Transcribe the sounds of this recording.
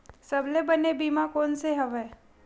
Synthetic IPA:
sɐblebɐnebiːmakoːnseɦɐʋɛː

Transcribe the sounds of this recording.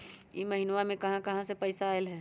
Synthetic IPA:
jiməɦɪnwamẽkɐɦãkɐɦãsepəɪsaːelɦɛː

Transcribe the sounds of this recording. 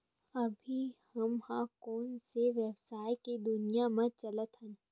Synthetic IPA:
ɐbʱihɐmhãːkoːnseʋɛbsaːjked̪ʊnijamɐ̃t͡ʃɐlət̪ɦɛ̃n

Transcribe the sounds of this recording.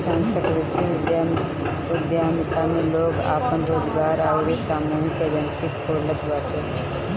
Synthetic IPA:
saːnsəkɾɪt̪iɪ | ɪd̪ʱjaːmɪt̪amẽloːɡa̰ːpənɾoːzɡaːɾaːɡɾesaːmuːɦikebənsɪkkoːlət̪ɡaːt̪e

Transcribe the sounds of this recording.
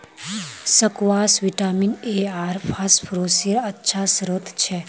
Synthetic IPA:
səkwaːsʋiʈaːmineaːɾpʰaːspʰɾoːsiəɾətːʃʰasɾot̪ʰt͡ʃʰɛ

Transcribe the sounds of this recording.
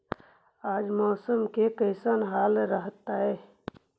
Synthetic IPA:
aːd͡ʒmɔːsəmkekəɦsənɦaːlɾəɦt̪aɦɛː

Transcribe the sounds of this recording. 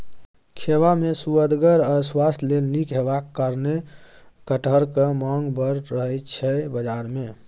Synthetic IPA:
kʰeʋamesuəd̪ɡəɾəswast̪lelnikɦebakːaɾnekəʈəɾkemaŋɡbəɾːəɦɛt͡ʃʰɛbəd͡ʒaɾme

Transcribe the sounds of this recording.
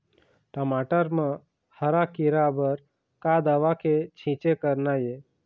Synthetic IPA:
ʈəmaʈəɾmə̃ | həɾakiɾabəɾ | kad̪aʋakʰet͡ʃʰĩt͡ʃekəɾnaje

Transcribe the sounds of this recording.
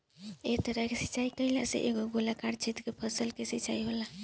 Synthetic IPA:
ek̚t̪əɾəɦkesi̥t͡ʃaikəjla̰sḛʔeɡoɡolakaɾt͡ʃʰit̪kepʰəsəlkesit͡ʃaiɦola

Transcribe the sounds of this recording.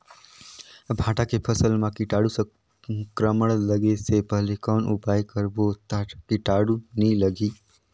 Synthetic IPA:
bʱãːʈakepʰəsəlmãkɪʈaːɽusə̃ | kɾəməɭləɡesepəɦlekɔːnʔupaːjkəɾbot̪akɪʈaːɽunĩləɡi

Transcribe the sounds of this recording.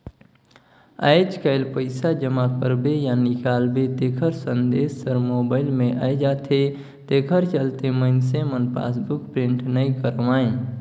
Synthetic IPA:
a̰ːɪd͡ʒkəɪlpəɪsad͡ʒəmakəɾbejanɪkaːlbet̪eːkʰəɾsə̃nd̪eːsːəɾmoːbaːɪlmẽʔa̰jd͡ʒaːt̪ʰe | t̪eːkʰəɾt͡ʃəlt̪eməɪnsemənpa̰ːsbukpɾɪ̃ɳʈnəĩkəɾʋãːẽ

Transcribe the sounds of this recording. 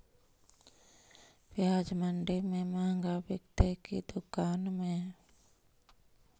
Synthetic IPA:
pjaːd͡ʒməɳɖɪɾmẽmaːŋɡabjəkt̪ekid̪ʊkaːnmẽ

